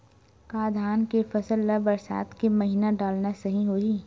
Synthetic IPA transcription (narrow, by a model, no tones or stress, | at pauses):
kaːd̪ʱaːnkefɐsəlːabɐɾsa̰ːt̪kemɐɦiːnaɖaːlnasɐɦĩɦoːiː